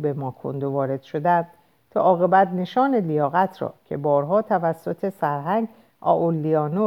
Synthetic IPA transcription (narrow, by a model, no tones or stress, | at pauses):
bemɒːkʰo̰nd̪ovɒːɾe̞d̪̥ʃo̞d̪ænd̪̥ | t̪ʰɒ̰ːʔɒːɣe̞bæt̪ne̞ʃɒːnelijɒːɣæt̪ʰɾɒ̰ːcʰe̞bɒːɾɦɒːt̪ʰævæsːot̪ʰe̞sæɾɦæŋɡ | ʔɒ̰ːʔolːiɒːno